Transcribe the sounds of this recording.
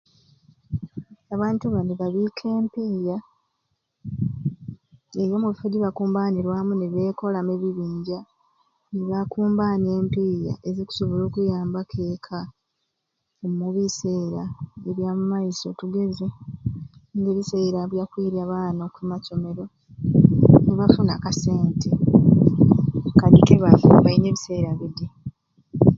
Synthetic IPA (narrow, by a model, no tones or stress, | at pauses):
aβaːntuβandiβaβiːkʰe̞ːmpiːja | eɾjo̞muβifoɟiβakuːmbaːniɾwaːmuneβe̞ːko̞lameβiβiːɲɟa | niβakuːmbaɲe̞ːmpiːja̰ʔe̞ziku̥so̞βolo̞ːkujaːmbakʰe̞ːkʰa | ommuβise̞ːɾaeβjaːmumaiso̞tuɡe̞ze | ŋɡe̞ːβise̞ɾaβjakwiːɾjaβaːnokuimaco̞me̞ɾo̞ | niβafunakase̞ːntʰe | kadikeβavuβaine̞ːβise̞ːɾaβide